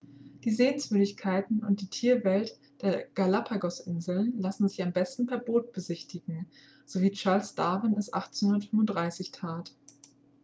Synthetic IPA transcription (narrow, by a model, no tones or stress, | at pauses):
d̥iːzeːənsv̥ʏdɪçkʰaɪtn̩ʊ̰ntd̥iːtʰiːɐvɛlt | d̥eːɐɡ̥alapʰaɡɔsʔɪ̰nzl̩nlasn̩zɪçambɛstn̩pʰɛːɐboːt̚b̥əzɪçtʰɪɡŋ̩ | z̥oviːt͡ʃaɐlsd̥aːvənɛsʔa̰χtt͡senhʊndɐtfʏmvʊntd̥ʁaɪsɪçtʰaːt